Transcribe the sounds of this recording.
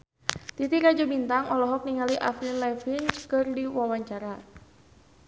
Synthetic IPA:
t̪it̪iɾad͡ʒubint̪aŋɔlɔɦɔk̚niŋaliʔaflinlafinkɨrdiwawaɲt͡ʃaɾa

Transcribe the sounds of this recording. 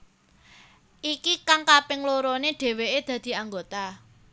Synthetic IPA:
ʔikikaŋkapɪŋloɾoneɖ̥e̤weʔed̪̥ä̤d̪̥i̤aŋɡot̪a

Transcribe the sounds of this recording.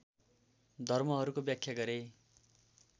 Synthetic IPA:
d̪ʱʌrmʌɦʌɾukobjakʰːjaɡʌɾe

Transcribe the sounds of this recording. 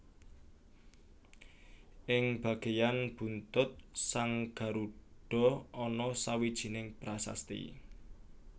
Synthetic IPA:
ʔɪŋb̥ä̤ɡ̥e̤janb̥ṳnt̪ʊt̪̚saŋɡ̥a̤ɾuɖ̥ɔ̤ɔnɔsawid̥ʒ̥i̤nɪŋb̥ɾasa̰st̪ḭ

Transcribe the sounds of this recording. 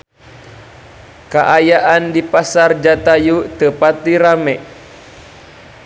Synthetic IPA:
kaʔajaʔandipasard͡ʒat̪ajut̪əpat̪̚diɾamɛʔ

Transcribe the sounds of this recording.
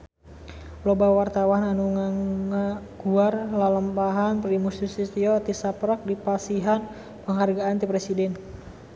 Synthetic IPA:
plɔbawart̪awananuŋaŋaɡ̥uarlaləmpaɦanpəɾimust̪isit̪iɔt̪isapɾɔk̚dipasiɦan | pəŋɦarɡaant̪ipɾɛsidɛn

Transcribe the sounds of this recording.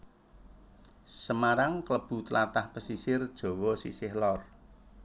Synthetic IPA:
səmaɾaŋkələb̥ṳt̪əlat̪ahpəsisɪrd̥ʒ̥o̤wɔsḭsɪhlɔr

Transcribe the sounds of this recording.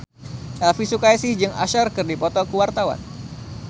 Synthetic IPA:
ʔɛlfisukajsɪhd͡ʒɨŋa̰ʃarkɨrdipɔt̪ɔkuwart̪awa̰n

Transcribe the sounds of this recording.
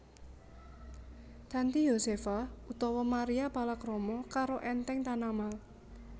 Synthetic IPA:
d̪̥a̤nt̪ijosefaut̪ɔwɔmaɾiapalakɾɔmɔkaɾoʔɛnt̪ɛŋt̪anamal

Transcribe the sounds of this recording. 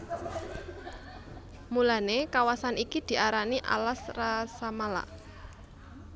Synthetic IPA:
mulanekawasanikid̪̥i̤ʔaɾaniʔa̰lasrasamala̰ʔ

